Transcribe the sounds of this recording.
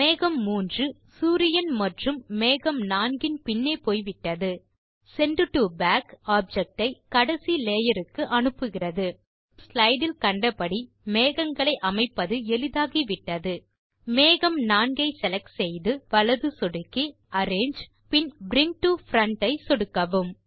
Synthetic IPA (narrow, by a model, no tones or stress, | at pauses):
meːɣɐmːuːndrɯ | suːɾɪjɐnmɐʈrɯmːeːɣɐmnaːnɡɪnpɪnːeːpoːjʋɪʈːɐðɯ | sɛɳɖɯʈːɯbaːkaːb̚d͡ʒɛk̚ʈɐɪkɐɽɐsileːjɐɾɯkːɯʔɐnɯpːɯɣɪrɐðɯ | slɐɪɖɪlkɐɳɖɐpɐɽi | meːɣɐŋɡɐɭɐɪʔɐmɐɪpːɐðɯɛlɪðaːɣiʋɪʈːɐðɯ | meːɣɐmnaːnɡɐɪsɛlɐksɛjðɯʋɐɭɐðɯsɔɽɯkːi | ɐɾeːnd͡ʒ | pɪnbɾɪŋk̚ʈɯfɾɐɳʈɐɪsɔɽɯkːɐʋɯm